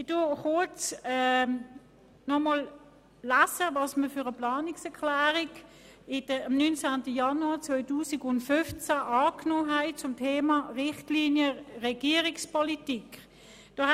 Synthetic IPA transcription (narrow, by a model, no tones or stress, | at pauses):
dʊχʊɐt͡sɛ | nɔmɔl | læsəvɑsməføʁəplɑːniksɛkʰlæːʁiɡ | ɪd̥əɑmnynt͡sæntəjɑnuɑːt͡svœʏtuːsiɡʊndtfʏft͡sæʔɑːknoːɦæɪt͡sʊmtʰeːmɑʁɪχtliːnjəʁɛɡiəʁikspʰɔlitik | d̥oː